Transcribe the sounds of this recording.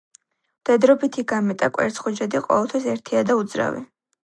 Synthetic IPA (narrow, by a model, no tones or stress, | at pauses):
md̪̥ɛd̪ɾɔbit̪ʰiɡamɛt̪ʼakʼwɛ̰ɾt̪sʰχɔd͡ʒad̪iqʼɔ̰vɛlˠt̪ʰwisɛɾt̪ʰiad̪aud̪zɾa̰vḭ